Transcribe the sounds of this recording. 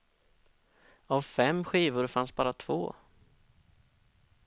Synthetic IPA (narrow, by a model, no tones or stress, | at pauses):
avfɛmːɧiːvʊɾfansbɑːɾat̪ʰvo̰ː